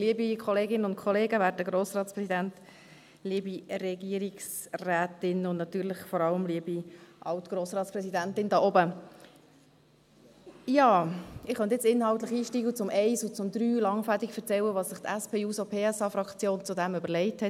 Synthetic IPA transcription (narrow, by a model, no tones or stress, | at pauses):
liəbikʰɔleːɡɪnənʊntkʰχɔleːɡəʋæːɾtəɡɾoːsrɑːtspɾɛsidænt | liəbirɛɡiəɾiksræːtɪnʊndnɑtyːɾləχfɔɾɑləmliəbiʔɑltɡ̥ɾoːsɾɑːtt͡sspɾɛsidæntɪndɑːʔɔbə | jɑːɪχœnt̪ɪt͡sɪnhɑlt̪ləχiːʃtiːɡlət͡sʊmʔɛɪsʊt͡sʊmd̪ɾyːlɑŋfædikfəɾt͡sɛwəʋɑːssɪχt̪æspʰeːuːsopʰeːɛsɑːfɾɑkt͡sjoːnt͡sʊd̪ɛmʏbəɾlɛɪthɛt